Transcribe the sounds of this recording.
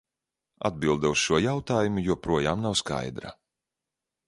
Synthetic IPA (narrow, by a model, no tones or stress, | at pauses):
a̰d̪̚bilˠd̪ɛusʃuɔjawt̪aːjumujuɔpɾuɔjaːmnawska̰jd̪ɾa̰